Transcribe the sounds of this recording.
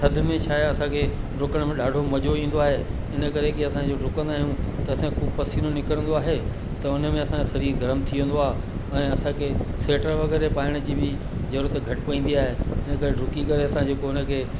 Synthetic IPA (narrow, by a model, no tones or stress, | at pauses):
sɐd̪ʱmẽt͡ɕʰaːjɐsãkʰeɖʊkəɽ̃mẽɗaːɖʱomɐd͡ʑʱoĩːn̆d̪oaːɦe | ɪnəkɐɾekɪɐsãd͡ʑoɖʊkə̃nd̪aːɦijũt̪ɐːsãkʰuːbpɐsiːnonɪkəɾə̃nd̪oaːɦe | t̪ɐʊnə̆mẽɐsãkʰesɐɾiːɾɡʱɐɾəmt̪ʰiʋẽːn̆d̪oaːɦe | ɛ̃ːɐsãkʰeseːʈəɾʋɐɣɛːɾepaːɪɽ̃əd͡ʑiːbɪ | zɐɾuːɾət̪ɡʱɐʈpɐ̃ĩːn̆d̪iaːɦeɪnəkɐɾeɖʊkikɐɾeɐsãd͡ʑoːkoʊnə̆kʰeː